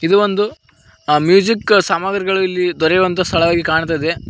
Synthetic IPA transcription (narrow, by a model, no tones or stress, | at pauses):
id̪uʋond̪u | mjuːd͡ʒiksaːmaːɡɾiɡɐɭuilːid̪ɔɾɛjʋɐnt̪̬ɐst̪ʰɐɭɐʋaːɡikaːɳt̪̬aːid̪e